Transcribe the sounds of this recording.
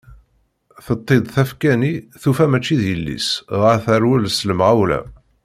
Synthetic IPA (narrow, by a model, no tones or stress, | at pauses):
θət̪ˤːed̪ˤθæfkæniθufæmæt͡ʃːiðjəlːḭsʁəθæɾwəlsləmʁawlæ̰